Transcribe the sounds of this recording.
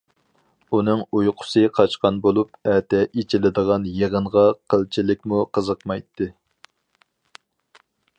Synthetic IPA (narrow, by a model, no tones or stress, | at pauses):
unɨŋujqʰʊ̥sɨqʰɑt͡ʃqɑnbolˠup̚ɛt̪ʰɛʔit͡ʃʰilɪd̪əʁɑnjeʁəɴʁɑqʰəlˠt͡ʃʰilɪk̚ʲmuqʰəzəqmɑjt̪ʰːɨ